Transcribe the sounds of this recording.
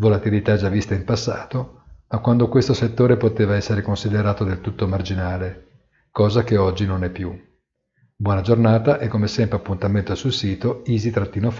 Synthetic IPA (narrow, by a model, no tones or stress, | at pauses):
volat̪ilit̪ad͡ʒavːist̪aimpasːa̰ːt̪omakːwand̪okwest̪oset̪ːoːɾepot̪eːvaɛsːeɾekonsid̪eɾaːt̪od̪elt̪ut̪ːomard͡ʒinaːle | kɔːzakeɔd͡ʒːinonɛpːju | bwɔːnad͡ʒornaːt̪aʔɛkːomesɛmpɾeapːunt̪ament̪osulsiːt̪oiːzit̪ɾat̪ːiːnof